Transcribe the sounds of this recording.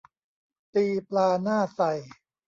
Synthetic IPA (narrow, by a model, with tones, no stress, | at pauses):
t̪iː˧plaː˧naː˥˩sa˨˩j